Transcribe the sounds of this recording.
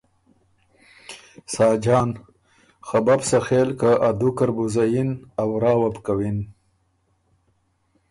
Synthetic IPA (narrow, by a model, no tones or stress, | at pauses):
sɑːd͡ʒɑːn | xababsaxeːlkaʔad̪ukaɾbuzajinawɾɑːwapkawin